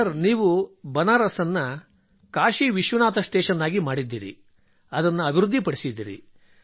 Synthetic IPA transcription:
ɐɾniːʋubɐnaːɾɐsɐnːɐ | kaːʃiʋiʃʋunaːt̪ɐsʈ̪ɛːʃɐnːaːɡimaːɽid̪ːḭːɾḭ | ɐd̪ɐnːɐɐbʱiɾud̪ʱːipɐɽisid̪ːḭːɾḭ

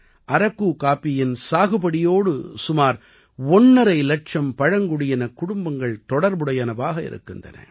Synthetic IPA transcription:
ʔɐɾɐkːuːkaːpːɪjɪnsaːɣɯbɐɽɪjoːɽɯsʊmaːɾ | ɔnːɐɾɐɪlɛʈt͡ʃɐmpɐɻɐŋɡʊɽɪjɐnɐkʊɽʊmbɐŋɡɐɭt̪ɔɽɐɾbɯɽɐjɐnɐʋaːɣɐɪ̰ɾɯ̰kːɯndrɐ̰nɐ̰

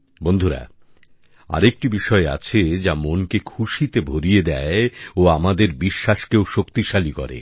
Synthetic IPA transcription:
bond̪ʱuɾa̰ | a̰ɾek̚ʈibiʃɔea̰t͡ɕʰed͡ʑamonkekʰuʃit̪ebʱoɾijed̪ɛeoamad̪eɾbiʃːaʃkeoʃokt̪iʃalikɔ̰ɾḛ

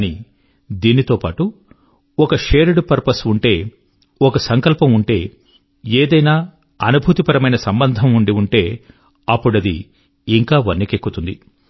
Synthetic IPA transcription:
niː | d̪iːnit̪o̞ːpaːʈu | ɔkɐʃeːɾuɽupɐɾpɐsuɳʈe̞ː | ɔkɐsɐŋkɐlpɐmuɳʈe̞ː | eːd̪ɐjnaː | ɐnubʱut̪ipɐɾɐmɐjnɐsɐmbɐnd̪ʱɐmuɳɖiuɳʈe̞ː | ɐpːuɽɐd̪ḭː | ŋkaːʋɐnːekekːut̪und̪i

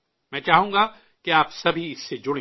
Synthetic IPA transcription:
mɛ̃ːt͡ʃaːɦũːŋ̆ɡa | keaːpsɐbʱiɪsːed͡ʒʊɽẽ

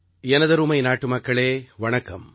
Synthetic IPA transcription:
ɛnɐðɐɾuːmɐɪnaːʈːɯmɐkːɐɭeːʋɐɳɐkːɐm

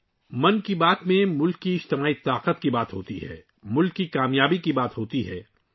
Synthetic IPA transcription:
mɐnkibaːt̪mẽmʊlkːiɪd͡ʒt̪ɪmaːit̪aːqət̪kibaːt̪ɦoːt̪iɦɛ̰ː | mʊlkːikaːmjaːbikibaːt̪ɦoːt̪iɦɛː

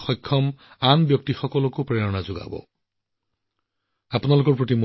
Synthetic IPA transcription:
xɔjkʰːɔm | anbjɔk̚tixɔkɔlɔkopɹɛɹɔnazʊɡa̰bɔ̰ | apunalʊkɔɹpɹotimu

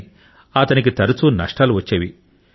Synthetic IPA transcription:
ɐt̪ɐnik̬it̪ɐɾut͡ʃunɐʂʈaːluʋɐt͡ʃːeːʋḭ

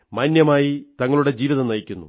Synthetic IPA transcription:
mɐnːjɐmaːjit̪ɐŋːɐɭuɽe̞d͡ʑiːʋiðɐnɐjikʲːunːṵ

